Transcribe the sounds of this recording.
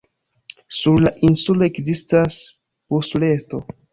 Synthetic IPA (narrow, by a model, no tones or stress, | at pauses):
suɾlaʔinsulo̞ekzistas | poslesto̞̰